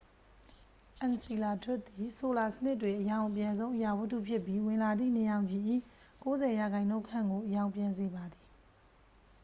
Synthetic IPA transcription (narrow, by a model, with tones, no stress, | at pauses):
ʔɛ̃˨nsi˨la˨tʰwʊ˦ʔt̪i˨so˨la˨sə̥nɪ˦tːwɪ̃˨ʔəjã˨ʊ̃ʔəpjã˨nzõ˦ʊ̃ʔəja˨wə˦tṵ˦˨pʰjɪ˦pːji˦wɪ̃˨la˨d̪ðḭ˦˨nə˨jã˨ʊ̃ɲd͡ʑi˨ʔḭ˦˨ | ko˦zɛ˨ja˨ɡã˨ɪ̃nõ˦kʰã˦˨ŋɡo˨ʔəjã˨ʊ̃mpjã˨nze˨ba˨d̪i˨